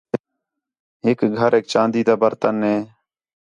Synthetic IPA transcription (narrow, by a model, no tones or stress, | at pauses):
ɦɪkɡʱəɾeːk̚t͡ʃãːnd̪iːd̪aːbəɾt̪ənɦeː